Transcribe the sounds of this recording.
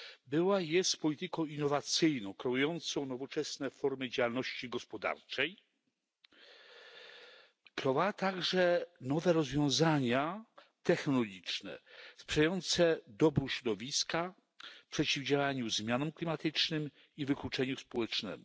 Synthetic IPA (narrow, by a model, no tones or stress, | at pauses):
bɘwajɛspɔlʲit̪ɘkɔ̃w̃inːɔvat̪sɘjnɔ̃w̃kɾɛujɔnt̪sɔ̃w̃nɔvɔt͡ʂɛsnɛfɔɾmɘd͡ʑawalnɔɕt͡ɕiɡɔspɔd̪a̰ɾt͡ʂɛj | kɾɔvat̪aɡʐɛnɔvɛɾɔzvʲjɔ̃w̃zaɲa | t̪ɛxnɔlɔɡʲit͡ʂnɛ̰spʂɛjajɔnt̪sɛd̪ɔbɾuɕɾɔd̪ɔvʲiska | pʂɛt͡ɕivd͡ʑawaɲuzmʲjanɔmklʲimat̪ɘt͡ʂnɘm | ivɘklut͡ʂɛɲuspɔwɛt͡ʂnɛ̰mu